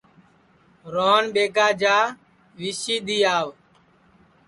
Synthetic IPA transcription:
ɾoːnɓeːkaːd͡ʒaː | ʋiːsiːɗ̪iːaːʋ

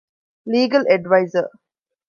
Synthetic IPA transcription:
liːɡəlɛɖʋaɪzəɾ

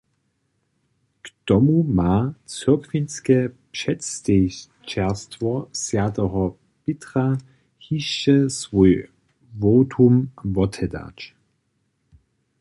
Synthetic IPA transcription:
ktɔmumaːt͡søɐkʰvinskɛpʃɛtste | t͡ʃɛɐstvɔsjatəɦɔ | pɪtʁ̥a | hiʃːɛsvuj | voːtʰumvɔtʰɛda̰ːt͡ʃ

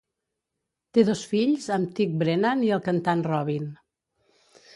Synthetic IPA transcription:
t̪eðɔsfiʎzəmt̪ik̚bɾenaniəlˠkənt̪anrɔβ̞in

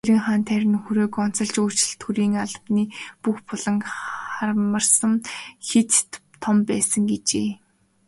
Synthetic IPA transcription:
eɾɘ̆ŋχaːnt̪ʰæɾʲɪ̆nxuɾoːkɔn̥t͡sə̆ɮt͡ɕoːt͡ɕɪ̆ɮt̪ʰxuɾiːŋaɮpniːpuxpʊɮə̆ŋarmə̆rsə̆mxet̪t̪ʰːɔmpæːsə̆ŋɡet͡ɕeː

